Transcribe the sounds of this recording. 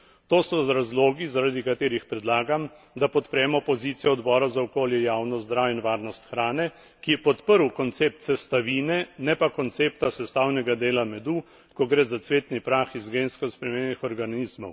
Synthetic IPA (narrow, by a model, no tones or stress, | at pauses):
t̪oːsɔzɾazloːɡizaɾad̪ikat̪eːɾixpɾɛd̪laːɡam | d̪apɔt̪pɾɛːmɔpɔziːt̪sijɛɔd̪bɔːɾazaɔkoːljɛjaːwnɔzd̪ɾaːwinʋaːɾnɔst̪xɾaːnɛ | kijɛpɔt̪pəɾwkɔnt̪seːp̚t̪sɛst̪aʋiːnɛnɛpakɔnt̪seːpt̪asɛst̪aːwnɛɡad̪eːlamɛd̪u | kɔɡɾeːzat̪sʋeːt̪nipɾaːxizɡeːnskɔspɾɛmenixɔɾɡanizmɔw